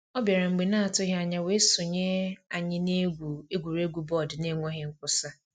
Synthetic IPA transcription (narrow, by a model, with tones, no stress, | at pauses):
ɔ˦bje˨ɾa˨ŋ͡m̩˨ɡ͡be˨na˦a˨tʊ˦ɦa˨ɲa˨we˨˦sʊ˨ɲe˦a˨ɲɪ˦ne˦ɡʷu˨e˦ɡʷu˨ɾe˦ɡʷu˨bɔ˦˨dne˦ŋʷɔ˦ɦɪ˦ŋ̩˦kʷʊ˦sa˦